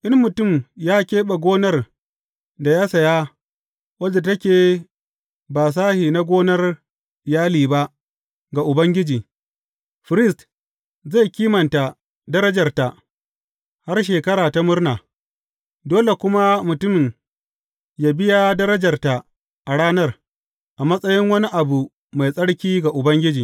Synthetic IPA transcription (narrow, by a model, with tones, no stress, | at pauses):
ʔɪ˦mːʊ˨tʊ˦˨mjaː˦kʲeː˦ɓa˨ɡʷoː˦nɐ˦r | da˨jaː˦sɐ˨ja˦ | wɐ˦da˨tɐ˦kʲeː˨ | baː˨s̬aː˦hiː˨na˦ɡʷoː˦nɐ˦r | ɪ˨jaː˦liː˨ba˦ʔ | ɡa˨ʔʊ˨bɐ˦ŋɡʲɪ˦d͡ʒiː˨ | ɸɪ˨ɾɪ˦st | za˦˨jkʲiː˦mɐ˨nta˨ | dɐ˦ɾɐ˦d͡ʒɐ˨rta˨ʔ | ha˦rʃ̬eː˨kɐ˦ɽaː˨ta˦mʊ˦rnaː˨ | doː˦le˨kʷʊ˦ma˦mʊ˨tʊ˦m˨m | jaː˨bɪ˦ja˦dɐ˦ɾɐ˦d͡ʒɐ˨rta˨ | ʔa˨ɽaː˦nɐ˦r | ʔa˨mɐ˦sʼɐ˦jɪ˦ŋwɐ˦ni˦ʔa˨bu˨ | ma˨jsʼɐ˦ɽkʲiː˦ɡa˨ʔʊ˨bɐ˦ŋɡʲɪ˦d͡ʒiː˨